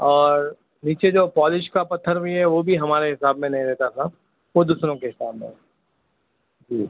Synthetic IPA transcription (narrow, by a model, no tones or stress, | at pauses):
ɔːɾ | niːt͡ʃed͡ʒoːpɔːlɪʃkapɐt̪ʰːəɾbʱiɦɛʋobʱiɦɐmaːɾeɦɪsaːbmẽnɐɦĩd̪eːt̪at̪ʰa | ʋod̪uːsɾõkeɦɪsaːb̚mḛ̃ɦɛ | d͡ʒiː